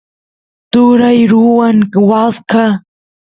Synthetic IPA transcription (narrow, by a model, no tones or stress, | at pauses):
t̪ʊɾajɾʊwaŋwaska